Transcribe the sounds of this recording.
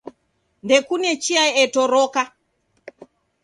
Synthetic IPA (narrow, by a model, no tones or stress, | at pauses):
ndɛkunɛt͡ʃiaɛtɔɾɔka